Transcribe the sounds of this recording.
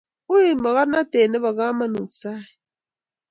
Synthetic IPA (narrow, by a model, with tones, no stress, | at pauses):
u˦i˨ma˨ɣa˦ɾna˦te˨ne˦βa˨ɣa˦ma˦nu˨sa˦˨